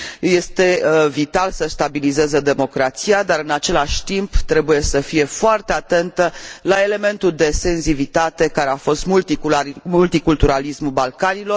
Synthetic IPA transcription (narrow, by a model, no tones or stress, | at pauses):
je̞st̪e̞vit̪alsəst̪abilize̞zed̪e̞mo̞kɾat̪sijad̪aɾɨnat͡ʃe̞laʃʲt̪imbt̪ɾe̞buje̞səfije̞foart̪eat̪e̞nt̪əlae̞le̞me̞nt̪uld̪e̞se̞nzivit̪at̪e̞kaɾe̞afo̞st̪mult̪imult̪ikult̪uɾalismulbalkanilo̞r